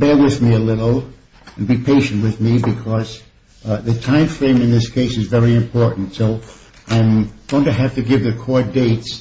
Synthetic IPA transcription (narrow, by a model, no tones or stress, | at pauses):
b̥ɛɹwɪðmiəlɪɾl̩ˠ | ɨ̃n̩bipʰeɪʃɨ̃n̩ʔwɨðmibɨkʰʌz | ðɨtʰãɪ̃ɱfɹẽɪ̃mɨ̃nðɪskʰeɪsɨzvɛɹiɨ̃mpʰɔɹʔn̩tsoʊ | ʔãɪ̃mɡ̥oʊɪ̃ŋtʰɨɦæftɨɡɪvðɨkʰɔɹ̚deɪts